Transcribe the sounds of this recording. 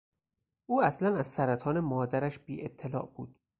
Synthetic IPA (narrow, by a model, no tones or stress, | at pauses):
ʔuːæslænæzsæɾæt̪ʰɒːne̞mɒːd̪æɾæʃbiːʔet̪ʰːelɒ̰ːʔb̥ṵːd̪̥